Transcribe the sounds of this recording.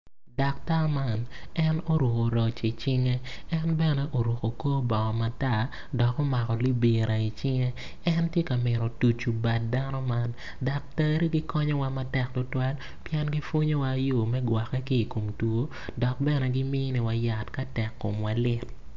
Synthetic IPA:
da˨k̚ta˦ma˦nɛ˦no˦ɾu˨ko˨ɾɔ˨t͡ʃi˨t͡ʃɪ˦ŋe˦ɛ˦nbɛ˦nɛ˦ʔo˨ɾu˨ko˨ko˦bɔ˨ŋɔ˨ma˨ta˦˨ | dɔ˨ko˦ma˨kɔ˨li˦be˨ɾʔa˨i˨t͡ʃɪ˦ŋe˦ | ɛ˦ntje˦ka˨mɪ˨ɾɔ˨tu˨t͡ʃu˨ba˨t̚da˦nɔ˦ma˦n | da˨k̚tɛ˦ɾi˦ɡi˦kʰɔ˦ɲɔ˦wa˦ma˦tɛ˨k̚tʊ˦twa˦l | pjɛ˦nɡi˦fwo˦ɲo˦wa˦jo˦˨mɛ˦ɡwa˨kɛ˦kiː˦˨ko˨mtwo˦ | dɔ˨k̚bɛ˦nɛ˨ɡɪ˦mi˦ni˨wa˦ja˨tka˦tɛ˨kːo˨mwa˨lɪ˦t

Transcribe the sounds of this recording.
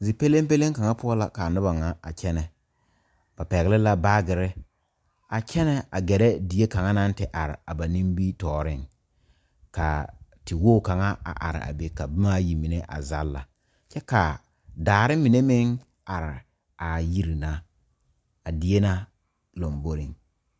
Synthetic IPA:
zi˨pe˦le˦mpe˦le˦ŋka˨ŋa˦pʊ˦ɔ˦la˨ka˨nʊ˦ba˨ŋa˦a̰˨t͡ʃɛ˦nɛ˨ | b̥a˨pɛ˨ɣɪ˦lɪ˦la˨baː˦ɡɪ˨ɾɪ˦ | a˨t͡ʃɛ˦nɛ˦a˨ɡɛ˨ɾɛ˦di˨e˦ka˨ŋa˦na˦n˦tɪ˨ʔa˨ɾɪ̰˨a˨ba˨ni˦mbi˦tɔː˨ɾɪ˦˨ŋ | ka˨tɪ˨woː˦˨ka˨ŋa˦a̰˨ʔa̰˨ɾɪ̰˨a̰˨be˨ka˨bɪ˦ma˦ji˨mi˨ne˦ʔa̰˨za˦lːa̰˨ | t͡ʃɛ˦ka˨ | daː˨ɾɪ˦mi˨ne˦mɪ˦ŋ | a˨ɾɪ˨ | a˨ji˦ɾi˨na˦ | a˨di˨e˦na˦ | lo˨mbo˦ɾɪ˨ŋ

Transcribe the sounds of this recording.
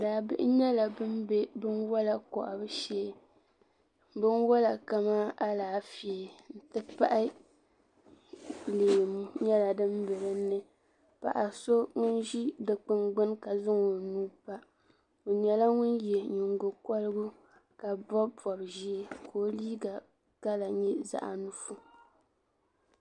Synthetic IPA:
daː˨bɪ̰˦ʔɲɛ˦la˨bɨ˦mbe˦bɨ˦nwɔ˦la˨kɔ̰˨ʔa˨bɨ˦ʃɛ˦˨ | bɨ˦nwɔ˦la˨ka˦ma˦a˦laː˨fi˨ɛ˨n̩˨tɨ˦pa˦ʔɪ˦ | leː˨mu˦ɲɛ˦la˨dɨ˦mbɛ˨ɾɨ˦nːɨ˦ | pa̰˨ʔa˨so˦ŋʊ˦nʒi˦dɨ˨k͡pɨ˨ŋɡ͡bɨ˦nka˨zɨ˦ŋo˨nuː˦pa˦ | o˨ɲɛ˨la˦ŋʊ˦njɛ˨ɲʊ˨ŋɡʊ˨kɔ˦lɨ˦ɡʊ˦ | ka˨bɔ˦bpɔ˨bʒi˦e˦kʰoː˨˦liː˦ɡa˨ | ka˦la˨ɲɛ˦za̰˨ʔa̰˨nu˦fu˦

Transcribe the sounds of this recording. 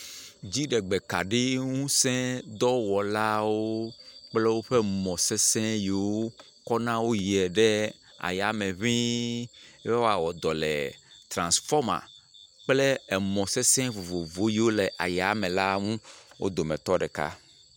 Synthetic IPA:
d͡ʑi˦ɖɛ˨ɡ͡bɛ˨ka̰˨ɖi˦ŋũ˦sɛ̃˦d̪ɔ˦wɔ˨la˦wo˦k͡plɛ˦wo˦ɸɛ˦mɔ̃˨sɛ˦sɛ̃˦ji˨wo˦ | kɔ˦nã˦wo˦ji˨ɛ˨ɖɛ˦ | a̰˨ja˨mɛ̃˨βĩ˦ | ɛ˦wo˦a˨wɔ˨d̪ɔ˨lɛ̰˨t̪ɾã˨sfɔ˦ma̰˨k͡ple˦ɛ˨mɔ̃˨sɛ˦sɛ̃˦vo˨vo˨vo˦ji˨wo˦lɛ˨ʔa˨ja˨mɛ̃˨la˦ŋũ˦wʔo̰˦d̪o˨mɛ̃˨t̪ɔ˦ɖɛ˨ka̰˦

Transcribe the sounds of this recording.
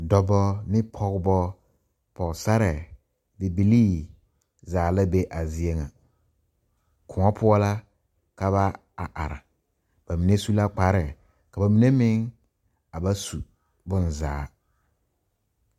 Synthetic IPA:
dɔ˨bɔ˦mɪ˦pʰɔ˨ɣbɔ˦ | pɔ˨ksa˦ɾɛ˨ | dɪ˨bi˨liː˦ | zaː˨la˦be˦ʔa˨zɪ˨e˦ŋa˨ | kʰʊ˨ŋɔ˦pʰʊ˦ɔ˦la˦ | ka˨βa˦ | a˨ʔa˨ɾa̰˨ | b̥a˨mi˨ne˦su˦la˦k͡pa˨˦ɾɛ˨ | ka˨ba˨mi˨ne˦mɪ˦ŋ | a˨ba˦su˨ | bʊ˦n˨zaː˨˦

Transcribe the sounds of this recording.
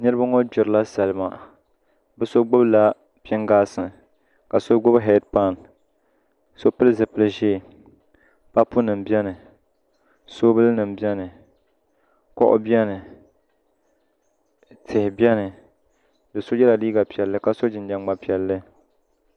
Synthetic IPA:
nɨ˦ɾɨ˦ba˦ŋo˦d͡ʒʊ˨ɾɨ˦la˦sa˨lɨ˨ma˨ | bɨ˦so˦ɡ͡bʊ˦bla˦ | pɛ˦ŋɡaː˦sɨ˨n | ka˨so˦ɡo˦bɦɛ˦d̚pa˦˨n | so˦pɨ˦lzɨ˨pɨ˦lɨ˦ʒeː˦˨ | pa˦pʊ˦nɨ˨mbɛ˦nɨ˨ | so˦bɨ˦lnɨ˨mbi˦ɛ˦nɨ˨ | kɔ̰˦ʔʊ̰˦bi˦ɛ˦nɨ˨ | tʰɪ˨hɪ˨bjɛ˦nɨ˨ | dɨ˨so˦jɛ˦la˨liː˦ɡa˨pi˨ɛ˨lːɨ˦ka˨so˦d͡ʒɪ˨nd͡ʒa˨ŋɡ͡ba˨pi˨ɛ˨lːɨ˦

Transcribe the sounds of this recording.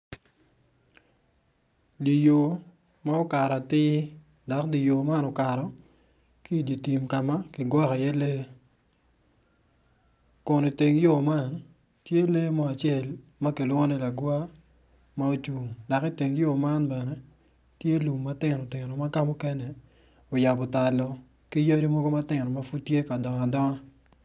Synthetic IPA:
di˨jo˨ | ma˦ɔ˦ka˨ɾa˨tɪ˦ | da˨kdi˨jo˨ma˦nɔ˨ka˨ɾɔ˨ | ki˦˨di˨ti˨mka˨ma˦kɪ˨ɡwɔ˦ka˨jɛ˦le˦ | kʊ˨ni˨te˨ŋjo˦˨ma˦˨n | tje˦le˦mɔ˨a˨t͡ʃe˦˨lma˦ke˨lwŋo˦nɛ˦la˨ɡwa˦ | ma˦o˦t͡ʃu˨ŋda˨ki˦te˨ŋjo˦ma˦nbɛ˨nɛ˦ | tje˦lu˨mːa˦tɪ˦˨nɔ˨tɪ˨nɔ˨ma˦ka˦mɔ˦kɛ˦nɛ˨ | o˨ja˨bɔ˨ta˨lɔ˦ | ki˦ja˦ɾi˦mɔ˦ɡo˦ma˦tɪ˨nɔ˨ma˦fu˦tːje˦ka˨dɔ˨ŋa˨dɔ˦ŋa˦

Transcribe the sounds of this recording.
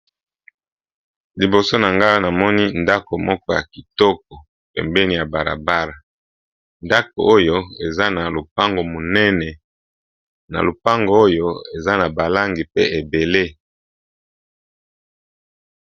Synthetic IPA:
li˨bo˨so˦na˨ŋɡa˦na˨mɔ˦ni˦nda˦ko˨mɔ˦kɔ˦ja˨ki˨tɔ˦k̚ɔ˨ | pɛ̰˨mbɛ˦ni˨ja˨ba˨ʁa̰˨ba˦ʁa˨ | nda˦ko̰˨o˦jo˦e˨za˦na˨lo˨p̚a˦ŋɡo˨mo˨nɛ˦nɛ˨ | na̰˨lo˨pa˦ŋɡo˨o˦jo˦e˨za˦na˨ba˨la˦ŋɡi˨pe˦e˨be˨le˦

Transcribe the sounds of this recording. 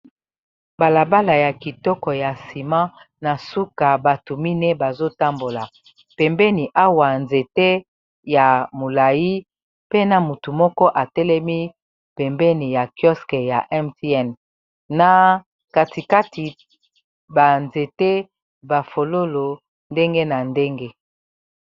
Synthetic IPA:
ba˨la˨ba˦la˨ja˨ki˨tɔ˦kɔ˨ja˨si˨mã˦ | na˨su˦ka˨ba˨tu˨mi˦nɛ˦ba˨zo˦ta˦mbo˨la˨ | pɛ˨mbɛ˦ni˨ʔa˦wa˨nze˨te˦ | ja˨mo˨la˨ji˦ | pe˦na˨mu˨tu˨mɔ˦kɔ˦ʔa˨tɛ˦lɛ˦mi˦ | pɛ˨mbɛ˦ni˨ja˨kjɔ˦skɛ˨ja˨ʔɛ˦mti˦ɛ˦˨n | na˨ | ka˨ti˨ka˦ti˨ | ba˨nze˨te˦ | ba˨fo˨lo˦lo˨ | nde˦ŋɡe˦na˨nde˦ŋɡe˦

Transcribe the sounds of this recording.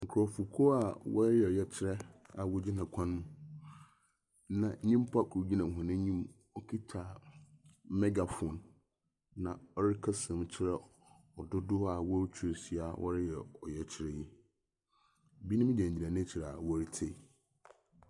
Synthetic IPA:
ŋ̩˨kʰɾɔ˨fu˨kʰo˦a˨wɔ̰˦ɾɪ˦jɛ˨ɔ˨jɛ˦t͡ɕʰɪ˦ɾɛ˦a˨wɔ˦d͡ʑi˦nã˨kʷʰã˦n˦mũ˦ | nã˨˦ĩ˦mpʰa˦kʰu˨ɾu˨d͡ʑi˦nã˨ɦʊ̃˨nɪ̃˦ɲĩ˦m | ɔ˦kʰi˦tʰa˨ | mɛ˦ɡa˨fɔ˨nː | ã˨ɔ˦ɾɪ˦kʰa˦sɛ̃˨m˦t͡ɕʰɪ˦ɾɛ˦ | ɔ˨dʊ˦dʊ˦a˨wɔ˦t͡ɕʰu˨˦e˨si˨a˨wʔɔ̰˦ɾɪ˦jɛ˨ɔ̰˨jɛ˨t͡ɕʰɪ˦ɾɛ˦ji˦˨ | bi˦nɪ̃˦m̃˦d͡ʑɛ̃˨ɲ˨d͡ʑi˨a˨nɪ̃˦t͡ɕʰi˨ɾɛ˨a˨wɔ˦ɾi˦tʰe˦˨

